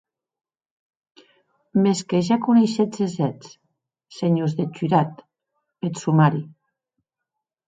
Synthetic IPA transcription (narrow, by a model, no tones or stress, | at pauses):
meskeʒakunejʃezezɛt͡s | seɲozðet͡ʃyɾat̪ | esumaɾi